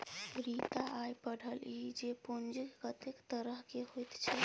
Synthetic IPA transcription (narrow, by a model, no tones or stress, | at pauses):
ɾit̪aajpəɽ̤əlid͡ʒepond͡ʒikɡət̪ekt̪əɾəɦkeɦojt̪t͡ʃʰɛ